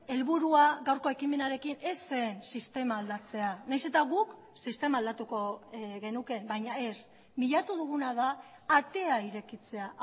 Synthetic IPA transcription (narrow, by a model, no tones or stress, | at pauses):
e̞lβuɾuaɣawɾko̞e̞kime̞naɾe̞kine̞sːeːnsist̪e̞maːld̪at͡se̞anajse̞t̪aɣuk | sist̪e̞maːld̪at̪uko̞ɣe̞nuke̞bajɲae̞s | miʎat̪uð̞uɣunað̞aː | t̪e̞aiɾe̞kit͡se̞a